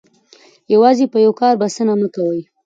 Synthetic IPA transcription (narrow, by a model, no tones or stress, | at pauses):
jawɑzepəjawkɑɾbasənaməkawəj